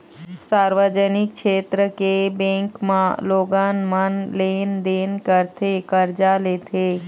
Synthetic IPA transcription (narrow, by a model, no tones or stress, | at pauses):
saːɾʋəd͡ʒənɪkkʃeːt̪ɾəkebẽːŋkmãloːɡãːnmənleːnd̪eːnkəɾt̪ʰekəɾd͡ʒaleːt̪ʰeː